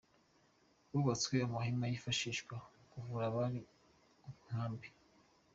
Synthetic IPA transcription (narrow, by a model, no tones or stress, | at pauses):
βuβat͡sweamuɦimajifaʃiʃɡwakuvuɾaβaɾi | uuŋ̥aːmbi